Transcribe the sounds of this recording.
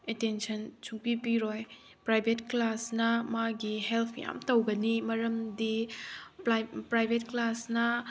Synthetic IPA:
etensɐnt͡ʃuŋpipiɾoj | pɾajbʱetklasnɐmaɡiɦelpʰja̰mtɐwɡɐnimɐɾɐmdi | pɾajbʱetklasnɐ

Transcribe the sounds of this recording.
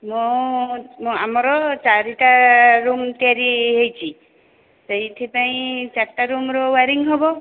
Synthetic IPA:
mũ | mũamɔɾɔt͡ʃaɾiʈaɾumt̪iaɾiɦejt͡ʃʰi | seɦit̪ʰipaĩt͡ʃaʈːaɾumɾɔwaɾiŋɦɔbɔ

